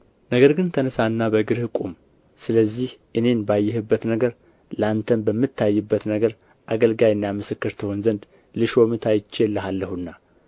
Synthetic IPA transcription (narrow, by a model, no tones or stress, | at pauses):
nəɡəɾɡɨnt̪ʰənəsanːabəɡɨɾhɨkʼum | sɨləzːihʔɨne̞nbajːɛhɨbːət̪nəɡəɾ | ləant̪ʰənbəmːɨt̪ʰːajːɨbːət̪nəɡəɾ | ʔaɡəlɡajnːjamɨsɨkːɨɾt̪ʰɨho̞nzənd̪ | lɨʃo̞mɨt̪ʰajt͡ʃːelːəhalːəhunːa